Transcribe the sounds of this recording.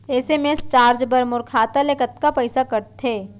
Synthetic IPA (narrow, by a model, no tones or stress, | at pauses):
eːsemest͡ʃaːɾd͡ʒbɐɾmʊɾkʰaːt̪alekət̪kapəɪsakɐɾt̪ʰeː